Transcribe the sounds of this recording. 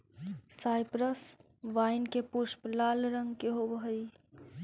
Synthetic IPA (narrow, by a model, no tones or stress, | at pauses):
saːɪpɾəs | ʋaːɪnkepʊʃplaːlɾə̃ŋɡkeɦobɦəi